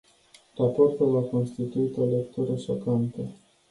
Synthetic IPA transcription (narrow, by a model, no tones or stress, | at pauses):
rapo̞rt̪ulako̞nst̪it̪uit̪o̞ele̞kt̪uɾəʃo̞kant̪ə